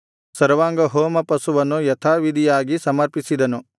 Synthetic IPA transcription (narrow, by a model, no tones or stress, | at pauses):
sɐɾʋaːŋɡɐɦoːmɐpɐsuʋɐnːujɐt̪ʰaːʋid̪ʱijaːɡisɐmɐɾpisid̪ɐnu